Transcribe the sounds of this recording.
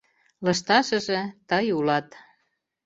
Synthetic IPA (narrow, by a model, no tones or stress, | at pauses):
lɤʃt̪ɑʃə̆ʒĕt̪ɤjulɑt̪